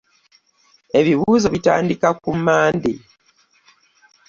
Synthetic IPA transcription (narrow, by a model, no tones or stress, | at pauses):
e̞βiβuːzo̞βita̰ːndikakumːaːndi